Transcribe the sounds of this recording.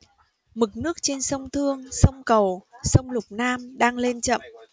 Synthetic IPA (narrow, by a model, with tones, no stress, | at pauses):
mɨ˨˩k̚nɨ˦˥ək̚t͡ɕe˧nsə˧wŋ͡mt̪ʰɨ˧əŋsə˧wŋ͡mkə˨˩wsə˧wŋ͡mlʊ˨˩k͡p̚naː˧mɗaː˧ŋle˧nt͡ɕə̰˧˨m